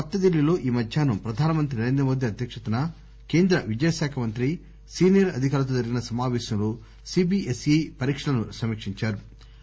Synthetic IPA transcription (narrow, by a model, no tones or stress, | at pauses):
ɐt̪ːɐd̪ilːilo̞ːʔiːmɐd̪ʱjaːnupɾɐd̪ʱaːnɐmɐnt̪̬ɾinɐɾend̪ɾɐmoːd̪ʱjiɐd̪ʱjɐkʂɐt̪unɐ | ke̞ːnd̪ɾɐʋid͡ʒɐjɐsaːkʰɐmɐnt̪ɾi | siːnijɐɾɐd̪ʱikaːɾɐt̪̬oːd͡ʒɐɾiɡinɐsɐmaːʋɛːsɐmlo | siːbiʔesepɐɾiːkʂɐlɐnusɐmiːkʂiɲt͡ʃaːɾu